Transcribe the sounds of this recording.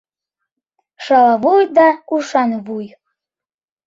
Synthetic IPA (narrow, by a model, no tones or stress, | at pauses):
ʃɑlɑβujd̪ɑuʃɑnβuj